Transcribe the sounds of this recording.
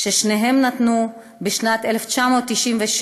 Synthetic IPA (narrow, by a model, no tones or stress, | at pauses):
ʃeʃneɦe̞mnatnu | beʃnat̪ʔeleft͡ʃamo̞ːt̪ːiʃimveʃ